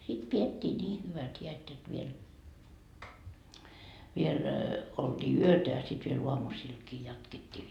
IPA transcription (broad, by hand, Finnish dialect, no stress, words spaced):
sit pietʲːiː niː hyʋæt hiæt jot ʋiel ʋiel old̥iː yøtæ jɑ sit ʋiel uɑmusiːlkiː jɑtketːiː